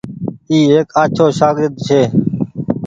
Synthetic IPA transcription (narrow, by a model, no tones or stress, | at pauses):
iːeːkaːt͡ʃʰoːʃaːɡɾɪd̪t͡ʃʰeː